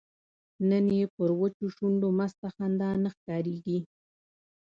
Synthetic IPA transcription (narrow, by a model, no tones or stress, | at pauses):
nənjepəɾwət͡ʃoʃuɳɖomast̪axand̪ɑnəxkɑɾeɡi